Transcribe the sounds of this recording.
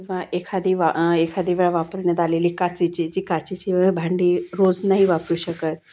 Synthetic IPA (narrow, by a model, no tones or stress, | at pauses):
kĩw̃ʋaʔekʰad̪ʱiʋaekʰad̪ʱiʋeɭaʋapəɾɳjat̪aleliːkat͡sit͡ɕid͡ʑiːkat͡sit͡ɕibʱaɳɖiːɾod͡znaɦiʋapɾuːɕəkət̪̚